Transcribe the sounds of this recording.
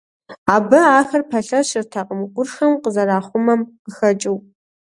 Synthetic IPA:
aːbɐaːxɐrpʰɐɬɐʃɪrtʰaqʼəmɨkʷʼʊrxɐmqəzɐɾaːχʷʊmɐmqəxɐt͡ʃʼɪwp

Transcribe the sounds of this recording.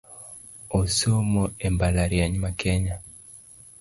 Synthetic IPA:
ɔsomɔɛmbalaɾiaɲimakɛɲa

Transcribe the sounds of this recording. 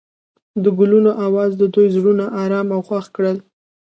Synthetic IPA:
d̪əɡʊlunoʔawɑzd̪əd̪ojzɽunaʔɑɾɑmawxwaxkɽəl

